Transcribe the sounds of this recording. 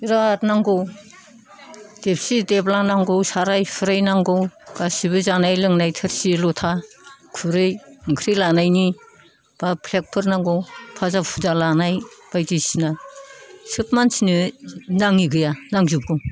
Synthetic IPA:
iɾatnaŋɡow | d̥ep̚sideplanaŋɡowsaɾajpʰɯɾajnaŋɡowɡ̥asibɯzanajlɯŋnajtʰɯɾsilɔtʰakʰuɾɯjɯŋkʰɾilanajni | b̥apʰlek̚pʰɯɾnaŋɡowpʰazapʰuzalanajb̥ajdisina | sɯpmansinɯnaŋiɡɯjanaŋzup̚ɡɯw

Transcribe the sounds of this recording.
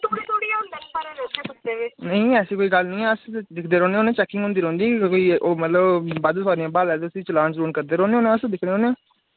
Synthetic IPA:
t̪oit̪ʰoːɽiãʊnd̪aːkːbaːɾeːɾoːkeəd̪eːenəĩːɛːsiːkoːiːɡəlnəĩːɛːəsd̪ɪkʰd̪eːɾõːneːõːnẽːt͡ʃɛːkːɪ̃ŋɡɦʊ̃nd̪iːɾõːnd̪iːkoiːʔoːmət̪ləbbaːd̪oːsaːɾiãːbaːlɛːd̪esiːt͡ʃəlãːnt͡ʃɾoːnkəɾd̪eːɾõːneːoːnẽːəsd̪ɪkʰneːoːnẽː

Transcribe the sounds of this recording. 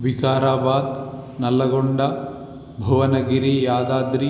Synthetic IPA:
ʋikaːɾaːbaːd̪nɐlːɐɡoɳɖɐ | bʱɐʋɐnɐɡiɾijaːd̪aːd̪ɾi

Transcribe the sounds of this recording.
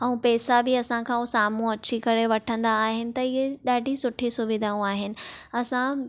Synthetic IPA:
ɐ̃ũpɛːsabɪɐsãkʰãosaːm̤ũɐt͡ɕʰikɐɾeʋɐʈʰə̃nd̪aːɦɪnɪ̆t̪ɐɪɦeɗaːɖʱisʊʈʰisʊʋɪd̪ʱaːũaːɦɪnɪ̆ɐsã

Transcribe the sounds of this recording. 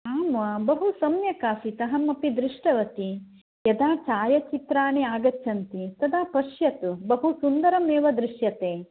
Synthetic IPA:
aːmʋɐbɐɦusɐmjɐkaːsit̪ɐɦɐmɐpid̪ɾiʂʈɐʋɐt̪i | jɐd̪aːt͡ʃaːjɐt͡ʃit̪ɾaːneaːɡɐtːt͡ʃʰɐnt̪it̪ɐd̪aːpɐʃjɐt̪ubɐɦusund̪ɐɾɐmeːʋɐd̪ɾiʃjɐt̪eː

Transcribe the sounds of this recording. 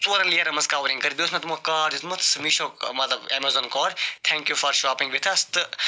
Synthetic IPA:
t͡suːɾɐnlijɐɾɐmɐskaːʋɾĩŋkɐɾib̪oːsmɐt̪mokaːɾizmɐt̪ʰsmiʃoːkmɐt̪lɐbemɐzoːnkoːɾt̪ʰɛ̃ːŋkjufɐɾʃaːpĩŋɡʋit̪ʰɐst̪ɨ

